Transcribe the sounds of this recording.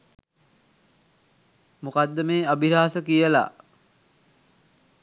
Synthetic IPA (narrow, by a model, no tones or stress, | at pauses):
mukad̪ːəmeːabiɾaːsəkijəla̰